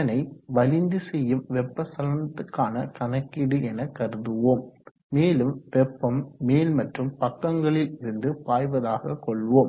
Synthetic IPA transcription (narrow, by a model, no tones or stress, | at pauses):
ɐnɐɪʋɐlɪnd̪ɯsɛjːɯmʋɛpːɐsɐlɐnɐt̪ːɯkːaːnɐkɐnɐkːɪɽɯʔɛnɐkːɐɾɯðɯʋoːmː | eːlɯmʋɛpːɐmːeːlmɐʈrɯmpɐkːɐŋɡɐɭɪlɪɾɯnd̪ɯpaːjʋɐðaːɣɐkɔɭʋoːm